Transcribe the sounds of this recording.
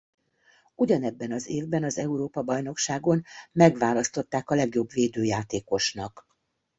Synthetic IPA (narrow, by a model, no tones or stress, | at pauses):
uɟɒnɛbːɛnɒzeːvbɛnɒzɛuɾoːpɒbɒjno̞kʃaːɡo̞nmɛɡʋaːlɒst̪o̞t̪ːaːkɒlɛɡjo̞bveːd̪øːjaːt̪eːko̞ʃnɒk